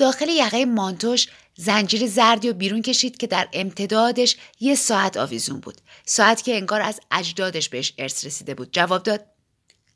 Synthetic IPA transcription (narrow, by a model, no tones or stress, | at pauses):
d̪̥ɒːxe̞lejæɣejmɒːnt̪ʰoʃ | zænd͡ʒiːɾezæɾd̪iobiːɾunce̞ʃiːd̪̥cʰe̞d̪æɾe̞mt̪ʰe̞d̪ɒːd̪e̞ʃje̞sɒːæt̪ʰɒ̰ːvizunbṵːd̪̥sɒːæt̪ʰcʰʲe̞ːeŋɡɒːɾæ̰zæd͡ʒd̪ɒːd̪e̞ʃbe̞heʃe̞ɾsɾe̞siːd̪e̞buːd̪̥̚d͡ʒævɒːb̚d̪ɒːd̪̥̚